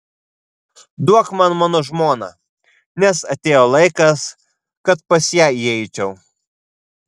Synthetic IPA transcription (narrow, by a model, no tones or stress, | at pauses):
d̪uɔkmɐnmɑːnoːʒmoːnɐ̰ | nʲɛsɐt̪ʲeːjolˠɐɪkɐs | kɐt̪pɐsʲjæːiɛɪt͡ʃʲɛʊ